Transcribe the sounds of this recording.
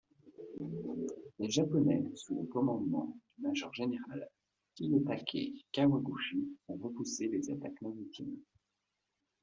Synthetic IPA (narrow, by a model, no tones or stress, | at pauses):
leʒapɔnɛsuo̰kɔmɑ̃d̪mɑ̰̃d̪̥ymaʒœʁʒeneʁal | kijat̪akʲʰḛkawaɡuʃiɔ̃ʁəpuselezat̪akmavit̪ʰḭm